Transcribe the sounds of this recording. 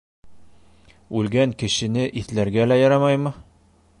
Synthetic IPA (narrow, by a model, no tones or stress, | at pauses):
ʉlɡæŋkɘ̆ɕɘ̆nɘʔiθlæɾɡælæjɒɾɑmɑjmɤ